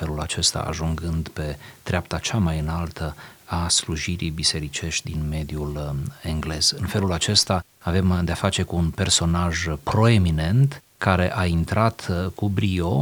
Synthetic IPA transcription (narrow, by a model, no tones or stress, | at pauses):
fe̞lulat͡ʃe̞st̪a̰a̰ʒuŋɡɨnd̪pe̞t̪ɾeap̚t̪at͡ʃamajɨnalt̪ʰəasluʒiɾḭjbise̞ɾit͡ʃe̞ʃt̪ʲd̪inme̞d̪ijule̞ŋɡle̞z̥ɨnfe̞lulat͡ʃe̞st̪a | ave̞md̪eafat͡ʃe̞kuːnpe̞rso̞naʒpɾo̞e̞mine̞nt̪ | kaɾe̞̰ʔaint̪ɾat̪kubɾio̞